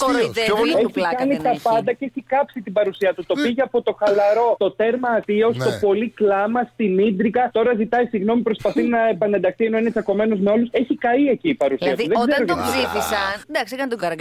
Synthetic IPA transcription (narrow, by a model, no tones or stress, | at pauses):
eikɐnit̪ɐpɐnd̪ɐceeçikɐpsit̪ibɐɾusiɐt̪ut̪o̞piʝeɐpo̞t̪o̞xɐlɐɾo̞t̪o̞t̪e̞ɾmɐːt̪io̞st̪o̞po̞liklɐmɐst̪inid̪ɾiɣɐt̪o̞ɾɐzit̪ɐisiɣno̞mipɾo̞spɐθinɐepɐne̞nd̪ɐxt̪ie̞no̞inet͡sɐko̞me̞no̞zme̞o̞luse̞çikɐie̞ciːpɐɾusiɐt̪uðeɡzeɾoeiθisɐnd̪ɐkskɐnt̪